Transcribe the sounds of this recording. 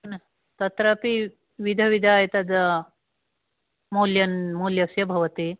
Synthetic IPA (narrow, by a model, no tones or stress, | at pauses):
ɐnɐ | t̪ɐt̪ɾɐpi | ʋid̪ʱɐʋid̪ʱaːjɐt̪ɐd̪ɐ | muːljɐnmuːljɐsjɐbʱɐʋɐt̪i